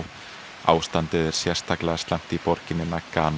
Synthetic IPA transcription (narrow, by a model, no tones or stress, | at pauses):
a̰ːwst̪ant̪ɪðɛɾ̥sjɛr̥st̪ʰaklaɣast̪am̥t̪ipɔɾcɪnɪnakaːn